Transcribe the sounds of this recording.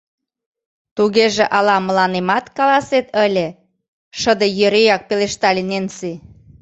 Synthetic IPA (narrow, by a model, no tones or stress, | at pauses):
t̪uɣeʒĕʔɑlɑməlɑnemɑt̪kɑlɑset̪əlʲe | ʃəd̪əjøɾejɑk̚peleʃt̪ɑlʲenensi